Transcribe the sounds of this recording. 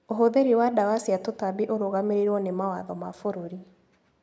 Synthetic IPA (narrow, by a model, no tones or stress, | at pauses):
oɦoðeɾiwadawasiatotabiʔoɾoɣameɾiɾwɔnemawaðɔmafoɾoɾi